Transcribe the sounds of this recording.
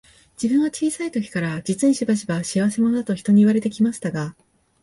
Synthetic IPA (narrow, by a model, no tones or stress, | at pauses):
d͡ʑibɯ̟̃ɰ̃ɡat͡ɕiːsait̪o̞kʲi̥kaɾad͡ʑit͡sɨɲĩɕibaɕibaɕiaβ̞ase̞mo̞nod̪at̪o̞çi̥t̪o̞ɲ̟iiβaɾe̞t̪e̞kʲimaɕi̥t̪aɡa